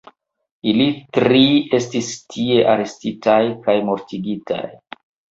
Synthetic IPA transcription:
ilitɾie̞stistʰie̞ʔaɾe̞stitajkajmoɾtiɡitʰa̰j

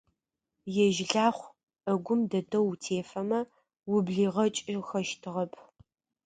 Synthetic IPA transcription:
jɛʒɪɮaːχʷ | ɐɡʷʊmdɐdʰɐwtʰeːfɐmɐ | wʊbɮiːʁɐt͡ʃʼɪxɐʃtʰɨʁɐpʰ

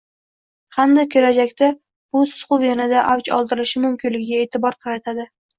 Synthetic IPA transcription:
hamd̪ɪkʲʰɵɾad͡ʒakʲt̪a | b̥ʊsʊ̥χʊwjanad̪aʔawt͡ʃɒ̰lˠd̪ɪɾɪʃɪmʊmkʲʰɪnlɪɡʲɪɡʲae̞ːt̪ʰɪbɒɾqʰɑɾat̪ʰad̪ɪ

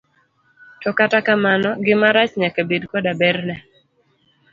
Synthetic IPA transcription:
tɔkatakamanɔɡɪmaɾat͡ʃɲakebidkɔdabɛrnɛ

